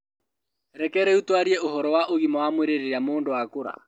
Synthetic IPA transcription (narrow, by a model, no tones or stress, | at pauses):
ɾɛkɛɾɛutwaɾiɛoɦɔɾɔwaʔoɣimɔwamweɾeɾeɾamoːndowakoɾa̰